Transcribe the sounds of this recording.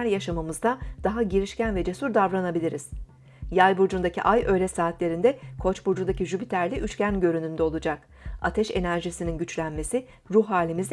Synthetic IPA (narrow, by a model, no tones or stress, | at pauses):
æɾjaʃamamɯzd̪ad̪̥aɦaɟiɾiʃcænvɛd͡ʒe̞suɾd̪avɾanabilʲiɾiz̥ | jajbuɾd͡ʒund̪acʰiʔajø̞jlʲɛsaːt̪lʲe̞ɾind̪ɛkʰo̞t͡ʃbuɾd͡ʒund̪aciʒybit̪ʰæɾlʲiʔyt͡ʃcænɟø̞ɾynynd̪ɛo̞lˠud͡ʒak | a̰t̪ʰɛʃe̞næɾʒisininɟyt͡ʃlʲænme̞si | ɾuɦɦːaːlʲimizd̪